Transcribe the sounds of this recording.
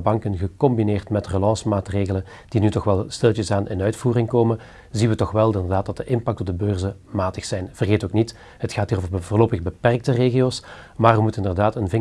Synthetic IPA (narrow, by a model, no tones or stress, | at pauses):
bɑŋkənɣəkɔmbineːrtmɛtrəlɑnsmaːtreːɣələn | d̥inytɔxʋɛlˠstɪlˠtəsaːnɪ̰nœɥtfuːrɪŋkoːmən | zinʋətɔxʋɛlˠɪndərdaːt̚dɑt̚dəʔɪmpɑk̚tɔb̚dəbøːrzə | maːtəxsɛjnv̥ərɣeːtoːknit | ɦətxaːtɦiːroːvərbəvʊːrloːpəɣbəpɛrk̚təreːɣijoːsmaːrʋəmutɪndərdaːtənvɪŋ